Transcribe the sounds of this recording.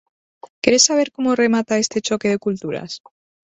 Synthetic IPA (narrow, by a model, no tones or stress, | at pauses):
keɾesːaβ̞eɾkomoremat̪aest̪e̞t͡ʃokeðe̞kult̪uɾa̰s